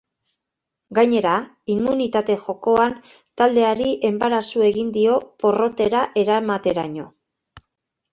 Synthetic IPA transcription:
ɡajɲe̞ɾa | imːunit̪at̪e̞ʝo̞ko̞an | t̪ald̪e̞aɾiʔe̞mbaɾasue̞ɣind̪io̞po̞ro̞t̪e̞ɾaʔe̞ɾamat̪e̞ɾa̰ɲo̞

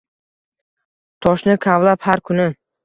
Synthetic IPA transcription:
t̪ʰɒʃnɪkʰavlaphaɾkʰʊnɪ

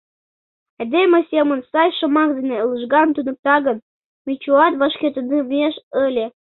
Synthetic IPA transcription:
ed̪emʲĕsʲemə̆nsɑjʃɤ̆mɑk̚d̪eneləʒɡɑnt̪unə̆p̚t̪ɑɣən | mʲit͡ɕuɑt̪βɑʃkʲet̪ənivneʃəlʲĕ

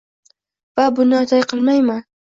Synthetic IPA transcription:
vabʊnɪɒt̪ʰajqʰɨlˠmajman

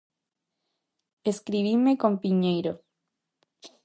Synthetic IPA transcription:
eskɾiβimekompiɲejɾo

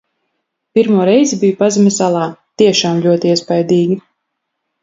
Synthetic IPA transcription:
piɾmuɔɾɛjzibijupazimʲisalˠɑːt̪iɛʃaːmʎʲuɔt̪iiɛspajd̪iːɡʲi

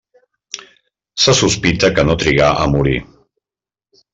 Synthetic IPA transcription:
səsuspit̪əkənot̪ɾiɣaʔəmuɾi

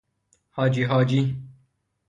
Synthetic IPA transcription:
hɔːd͡ʒiːɦɔːd͡ʒi

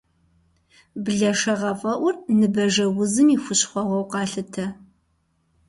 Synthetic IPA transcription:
bɮɐʂɐʁɐfʼɐʔʷʊrnɨbɐʒɐwʊzɨmiːxʷʊɕχʷɔʁʷɔwqɑːɬɨtʰɐ

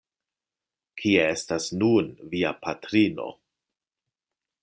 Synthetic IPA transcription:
kʰiee̞stasnunviapatɾino̞̰

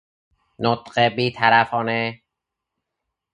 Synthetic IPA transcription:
not̪ɢebiːt̪ʰæɾæfɒːne

